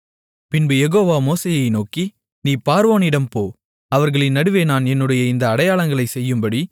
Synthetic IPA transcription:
pɪnbɯjɛɣoːʋaːmoːseːjɐɪnoːki | niːpaːɾʋoːnɪɽɐmpoː | ɐʋɐɾɣɐɭɪnɐɽɯʋeːnaːnɛnːɯɽɐjɐɪnd̪ɐːɽɐjaːɭɐŋɡɐɭɐɪsɛjːɯmbɐɽi

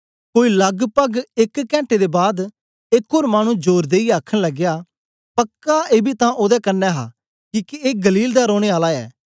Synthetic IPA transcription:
koːiləɡpəɡɪkːɛ̃ːɳʈed̪ebaːd̪ | ekʰːoːɾmaːɽ̃ũd͡ʒoːɾd̪eːiaːkʰəɽ̃ləɡjaː | pəkːaeːbit̪ãʔoːd̪ɛkənːɛːɦa̰ː | kiːkieːɡəliːld̪aɾoːɽ̃eaːlaɛ̰ː

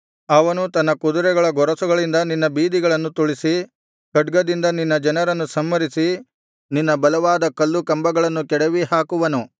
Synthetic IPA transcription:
ɐʋɐnut̪ɐnːɐkud̪uɾɛɡɐɭɐɡɔɾɐsuɡɐɭind̪ɐninːɐbiːd̪iɡɐɭɐnːut̪uɭisi | kɐɖɡɐd̪ind̪ɐninːɐd͡ʒɐnɐɾɐnːusɐmːɐɾisi | ninːɐbɐlɐʋaːd̪ɐkɐlːukɐmbɐɡɐɭɐnːukɛɽɐʋiɦaːkuʋɐnu

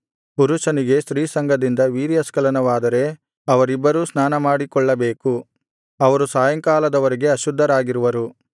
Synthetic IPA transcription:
puɾuʃɐniɡe̞ʃɾiːsɐŋɡʱɐd̪ind̪ɐʋiːɾijɐskɐlɐnɐʋaːd̪ɐɾe̞ | ɐʋɐɾibːɐɾuːsnaːnɐmaːɽikɔɭːɐbeːku | ɐʋɐɾusaːjɐŋkaːlɐd̪ɐʋɐɾeɡe̞ɐʃud̪ʱːɐɾaːɡiɾuʋɐɾu

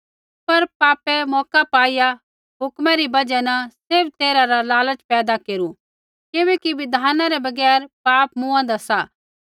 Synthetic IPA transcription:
pɐɾpaːpɛmɔːkapaːija | ɦʊkmaɾibɐd͡ʒɛnɐsɪbt̪eːɾaɾalaːlət͡ʃpɛːd̪akeːɾu | kɪʋɛkiʋɪd̪ʱaːnãɾebɐɡɛːɾpaːpmũːãd̪asaː

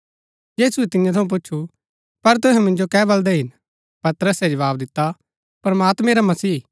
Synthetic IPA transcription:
jiːsuɛt̪ɪ̃jãt̪ʰɐũp̬ʊt͡ʃːʃʰu | pɐɾt̪̬ʊɦɛ̃mɪ̃nd͡ʒokɛːbɐld̪ɛɦɪn | pɐt̪ɾəsɛd͡ʒɐʋaːbd̪ɪt̪ːa | pɾɐmaːt̪mɛ̃ɾamɐsiː

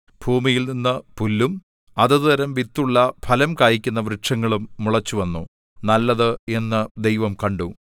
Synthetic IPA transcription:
bʱuːmijilninːɨpulːum | ɐðɨðɐɾɐmʋit̪ːuɭːɐpʰɐlɐmkaːjikʲːunːɐʋɾɨʈʂɐŋːɐɭumːuɭɐt͡ɕːuʋɐnːu | nɐlːɐðɨe̞nːɨd̪ejʋɐmkɐɳɖu

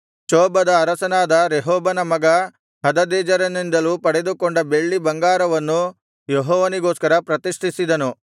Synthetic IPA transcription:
t͡ʃoːbɐd̪ɐːɾɐsɐnaːd̪ɐɾeɦɔːbɐnɐmɐɡɐ | ɦɐd̪ɐd̪ɛːd͡ʒɐɾɐnind̪ɐluːpɐɽed̪ukoɳɖɐbe̞ɭːibɐŋɡaːɾɐʋɐnːu | jeɦɔːʋɐniɡoːskɐɾɐpɾɐt̪iʂʈʰisid̪ɐnu

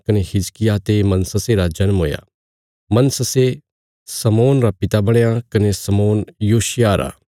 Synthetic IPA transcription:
kɐnehɪd͡ʒkɪjat̪emɐnsəseɾad͡ʒɐnmɦo̰ːja̰ | mɐnsəse | sɐmoːnɾapɪt̪abɐɽ̃eakɐnesɐmoːnjoːʃɪjaːɾa̰ː

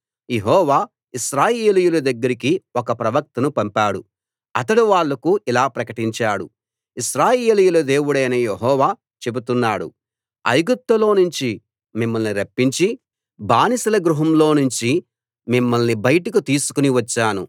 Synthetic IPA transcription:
jeɦɔːʋaː | iʃɾaːjeːlijulɐd̪ɐɡːɐɾik̬iɔkɐpɾɐʋɐk̚t̪ɐnupɐmpaːɽu | ɐt̪̬ɐɽuʋaːɭːɐkuʔilaːpɾɐkɐʈiɲt͡ʃaːɽṵ | iʃɾaːjeːlijulɐd̪e̞ːwuɽɐjnɐjeɦɔːʋaː | t͡ʃe̞but̪unːaːɽṵ | ɐ̰jɡut̪ːɐlo̞ːnuɲt͡ʃi | mimːɐlniɾɐpːiɲt͡ʃi | baːnisɐlɐɡɾuɦɐmlo̞ːnuɲt͡ʃi | mimːɐlnibɐjʈikut̪iːsu̥kuniʋɐt͡ʃːaːnṵ

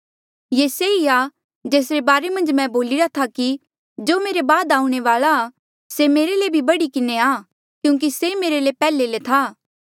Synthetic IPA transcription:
jeːseia | d͡ʒeːsɾebaːɾemɐ̃nd͡ʒmɛ̃boːlɪɾat̪ʰaki | d͡ʒoːmeːɾebaːd̪aːũɽ̃eʋaːɭa | semeːɾelebʱibɐɽikɪneaː | kjũːŋk̬isemeːɾelepɛːlelet̪ʰaː

